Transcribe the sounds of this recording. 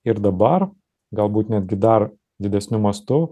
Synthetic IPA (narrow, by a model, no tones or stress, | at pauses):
ɪɾd̪ɐbɐɾ | ɡɐlˠbuːt̪nʲæd̪ʲɡʲɪd̪ɐɾ | d̪ʲɪd̪ʲɛsʲnʲʊmɐst̪ʊ